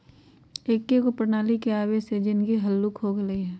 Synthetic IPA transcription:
eːkːekopɾnaːlikeaːʋesed͡ʒɪnkiɦɐlːukɦoɡələiɦɛː

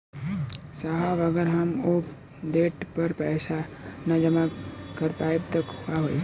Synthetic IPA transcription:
saɦaʋɐɡəɾɦɐmoːp | d̪eːʈpəɾpɛːsanɐd͡ʒəmakɐɾpaːebt̪ɐkɦʊaɦoːḭ

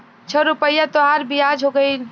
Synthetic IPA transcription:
t͡ʃʰəɾupəjat̪oɦaɾbʱiad͡ʒʱɦoɡəɪl

